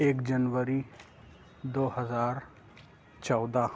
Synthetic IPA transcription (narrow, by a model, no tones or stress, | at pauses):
eːkd͡ʒənʋəɾi | d̪oːhəzaːɾ | t͡ʃɔːd̪a